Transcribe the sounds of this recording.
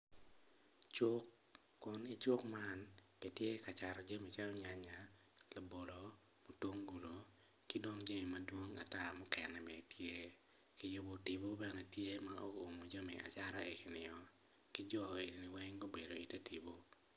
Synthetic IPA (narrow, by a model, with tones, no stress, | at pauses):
t͡ʃo˦kː | ʊ˦nɪ˦t͡ʃo˦kma˦nkɛ˨tje˦ka˨t͡ʃa˨ɾɔ˨d͡ʒa˦mi˨t͡ʃa˦lɔ˦ɲa˨ɲa˨ | la˨bo˨lo˨ | mo˨two˦ŋɡu˨lo˨ | ki˦do˦ŋd͡ʒa˦mi˨ma˨dwo˦ŋa˨ta˦mɔ˦kɛ˨nɛ˨mɛ˨tje˦ | kɪ˦jo˦bo˨tɪ˨bo˦bɛ˨nɛ˨tje˦ma˦o˦o˨mo˨d͡ʒo˦mḭ˨ʔa̰˨t͡ʃa˦ɾa˦e˨ki˨nɪ˨ɔ˨ | kɪ˦d͡ʒɔ˦˨e˨di˨ni˨wɛ˦ŋɡo˦be˨do˨i˨te˦ti˨bo˦